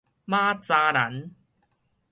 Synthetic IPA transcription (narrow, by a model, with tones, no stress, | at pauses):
maː˥t͡saː˧na̰˨˦n